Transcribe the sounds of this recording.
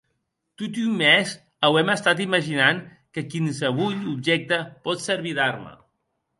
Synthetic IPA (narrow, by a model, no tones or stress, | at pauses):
t̪ut̪ymːɛz | əwɛməst̪at̪̬iməʒinaŋ | kəkins̬əβuʎubʒɛk̚t̪əpɔt̪səɾβiðaɾmə̰